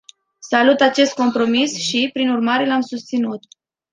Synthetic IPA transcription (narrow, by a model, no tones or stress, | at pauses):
salut̪at͡ʃe̞st̪̚ko̞mpɾo̞misʃipɾinurmaɾe̞lamsust̪sinut̪̚